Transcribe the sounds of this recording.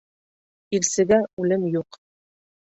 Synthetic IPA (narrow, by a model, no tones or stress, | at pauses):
ilsɘ̆ɡæʉlɘmjuq